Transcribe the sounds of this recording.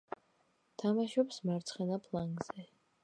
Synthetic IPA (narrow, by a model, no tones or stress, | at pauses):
t̪ʰamaʃɔpsmaɾt̪sʰχɛnapʰlˠaŋɡz̥ɛ